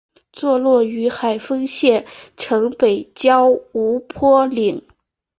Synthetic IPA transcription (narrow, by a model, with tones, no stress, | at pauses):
t͡swɔ˥˧lwɔ˥˩y˧˥xa˨˩ɪfɤ˥ŋɕjɛ˥˩nʈ͡ʂʰɤ˧˥ŋpe˨˩ɪt͡ɕjɑ˥ʊu˧˥pʰwɔ˥li˨˩˦ŋ